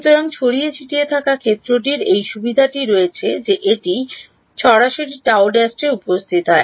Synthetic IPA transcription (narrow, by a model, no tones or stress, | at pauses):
ʃut̪oɾaŋt͡ɕʰoɽiet͡ɕʰiʈiet̪ʰakakʰet̪ːɾoʈ̬iɾejʃubid̪ʱaʈiɾɔet͡ɕʰed͡ʑeʔeʈi | ʃɔɾaʃoɾiʈawɖɛsʈeupost̪ʰit̪ɦɔe